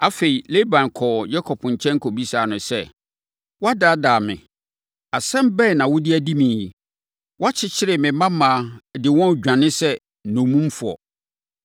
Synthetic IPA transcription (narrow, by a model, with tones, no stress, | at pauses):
a˦fe˨i˨le˦bã˨n˨kʰɔ˨jɛ˦kʰɔ˨pʰɲ̩˨t͡ɕʰɛ̃˦ŋ˦kʰo˨bi˦saː˨nʊ̃˨sɛ˦ | wɔ˦a˦daː˨˦daː˨mɪ̰̃˨ | a˨sɛ̃˦m˦bɛ˦˨nã˨wʊ˦dɪ˦æ˦di˦mĩː˨j | wɔ˦a˦t͡ɕʰɪ˦t͡ɕʰɪ˦ɾɪ˨mɪ̃˨mã˦mãː˨dɪ˨wɔ̃˦n˨d͡ʑᶣã˨nɪ̃˦sɛ˦ | nũ˨mũ˦m˦fu˨ɔ̰˨